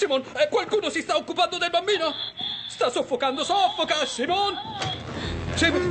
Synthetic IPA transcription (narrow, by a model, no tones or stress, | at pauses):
simonɛkːwalkuːnosist̪aokːupand̪od̪elbambiːnost̪asːofːokand̪osɔfːokasimon | sim